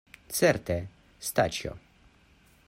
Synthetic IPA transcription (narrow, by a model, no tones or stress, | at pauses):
t̪sɛɾt̪ɛ | st̪a̰t͡ʃɔ̰